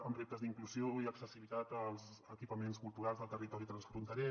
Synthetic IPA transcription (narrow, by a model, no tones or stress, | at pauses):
əmrep̚t̪əzðiŋkluzioiəksəsiβit̪at̪əlˠzəkipəmenskulˠt̪uɾalzðəlˠt̪ərit̪ɔɾit̪ɾənsfɾunt̪əɾɛ